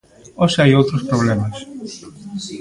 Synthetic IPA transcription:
osajot̪ɾospɾoβlemɐs

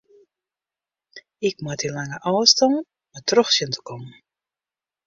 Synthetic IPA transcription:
ɪk̚matilaŋəʔɔwstɔŋ | matrɔxsjəntʰə̥kɔmən

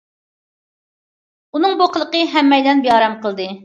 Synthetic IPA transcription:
unɨŋboqʰəlˠəqəɦɛmːɛjd̪ɛnbejɑːɾɛmqəlˠd̪ɨ

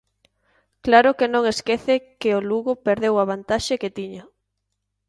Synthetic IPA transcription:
klaɾʊkenõŋeskeθekeoluɣʊpeɾðewaβ̞ant̪aʃeket̪iɲɐ

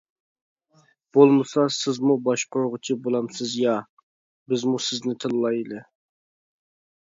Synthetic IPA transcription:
b̥olˠmɨsɑsɪzmubɑʃqʰoɾʁʊt͡ʃʰibolˠɑmsɪzjɑ | bɪzmusɪznɪt̪ʰɨlˠlˠɑjlˠɨ

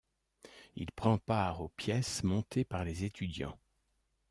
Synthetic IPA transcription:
ḭlpχɑ̃paʁopjɛsmɔ̃t̪epaʁlezet̪ʰyd̪jɑ̰̃

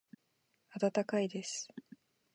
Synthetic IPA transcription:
at̪at̪akaid̪e̞sɨ̥

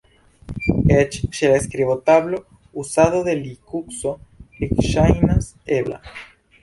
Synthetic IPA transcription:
et͡ʃʃeleskɾiβot̪aβlo | usaðoðelikuksoekʃajnas | eβla̰

